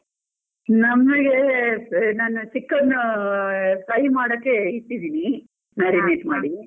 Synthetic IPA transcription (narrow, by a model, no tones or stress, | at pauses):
nɐmːɐɡe | naːnusikːɐnːu | kɐjimaːɽɐkːeiʈ̪ːid̪iːni | naːɾimeːʈmaːɽi